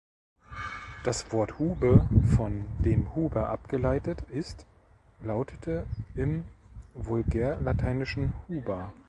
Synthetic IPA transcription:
d̥asv̥ɔɐthuːbəfɔndeːmhuːbɐʔapɡ̥əlaɪtətɪst | laʊtʰətʰəʔɪmvʊlɡɛːɐlatʰaɪnɪʃn̩huːbɐ

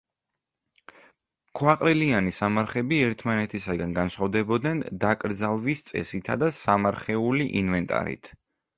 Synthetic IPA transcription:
kʰwaqʼɾilianisamaɾχɛbiɛɾt̪ʰmanɛt̪ʰisaɡanɡansχavd̪ɛbɔd̪nɛnd̪akʼɾd̪zalˠvist̪sʼɛ̰sit̪ʰad̪asamaɾχɛuliʔinvɛnt̪ʼa̰ɾḭt̪ʰ

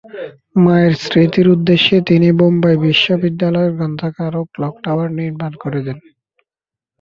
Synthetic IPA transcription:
maeɾsɾit̪iɾud̪ːeʃːet̪inibombaebiʃːobid̪ːalɔeɾɡɔnd̪ʱakaɾoklɔkʈawaɾniɾmankoɾed̪ɛn

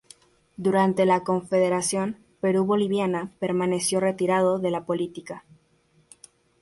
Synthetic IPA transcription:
d̪uɾant̪e̞lako̞ɱfe̞ðe̞ɾasjo̞n | pe̞ɾuβo̞liβjanape̞ɾmane̞sjo̞re̞t̪iɾað̞o̞ðe̞lapo̞lit̪ika

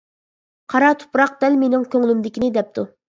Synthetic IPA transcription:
qʰɑɾɑt̪ʰʊ̥pɾɑq̚d̪̥ɛlmenɪŋkʲʰøŋlymd̪ɪkʲinɪd̪ɛp̚t̪ʰu

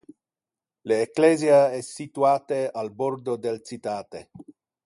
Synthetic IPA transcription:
leːkleːzjaɛsːit̪uaːt̪ealbord̪od̪elt͡ʃit̪aːt̪e

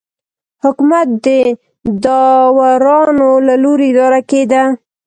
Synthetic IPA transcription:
hʊkumat̪̚d̪ə | d̪ɑwaɾɑnolaloɾeɪd̪ɑɾaked̪a

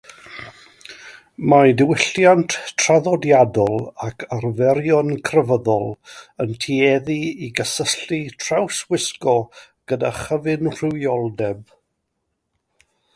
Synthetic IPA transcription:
majdɪwɪɬjantʰraðɔdjadɔlˠakʰarvɛɾjɔnkʰrəvəðɔlˠəntʰiɛðiiɡəsəɬitʰrawswɪskɔ | ɡ̥əda̰χəvɨnr̥ɪwjɔlˠdɛb̚

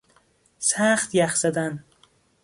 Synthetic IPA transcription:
sæxt̪jæxzæd̪æn

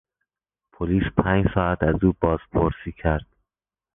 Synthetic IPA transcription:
pʰoliːspʰæːɲd͡ʒsɒːæt̪ʰæzuːbɒːz̥pʰoɾsiːcʰæɾd̪̥

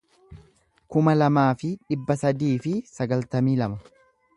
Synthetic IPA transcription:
kʊmɐlɐmaːfɪᶑɪbːɐsɐd̪iːfɪsɐɡɐlt̪ɐmiːlɐmɐ

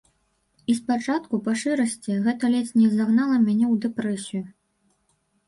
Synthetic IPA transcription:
ispat͡ʂat̪kupaʂɨɾɐsʲt͡sʲiɣɛt̪ɐlʲɛsʲnʲɛzaɣnalˠɐmʲanʲɛwd̪ɛpɾɛsʲiju

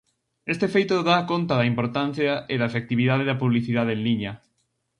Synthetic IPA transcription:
est̪efejt̪oðaːkont̪ɐðɐimpoɾt̪an̟θjɐeðɐefek̚t̪iβiðaðeðɐpuβliθiðaðeenliɲɐ

